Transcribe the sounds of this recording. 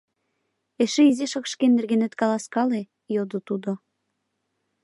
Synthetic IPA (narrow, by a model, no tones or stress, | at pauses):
eʃĕiziʃɤkʃkenːĕrɡenĕt̪kɑlɑskɑle | jod̪ot̪ud̪o